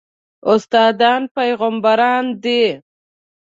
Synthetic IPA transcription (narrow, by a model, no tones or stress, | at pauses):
ʊst̪ɑːd̪ɑːnpajɣambaɾɑnd̪e